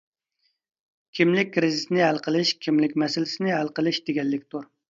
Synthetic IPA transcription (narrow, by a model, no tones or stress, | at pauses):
kʲʰimlɪk̚ʲːɾizisnɪɦælˠqʰəlˠɪʃkʲʰimlɪkʲmɛsɪlɪsɪnɪɦælˠqəlˠɨʃd̪eɡʲɛlːɪkʲt̪ʰuɾ